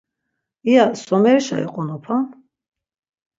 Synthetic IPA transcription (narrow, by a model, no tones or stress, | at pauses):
iasɔmɛɾʃa̰ɛ̰qʼɔnɔpʰa